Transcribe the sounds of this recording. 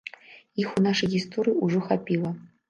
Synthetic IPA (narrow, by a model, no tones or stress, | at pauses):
ixunaʂɐjist̪ʰoɾʲijuʐoxapʲilˠɐ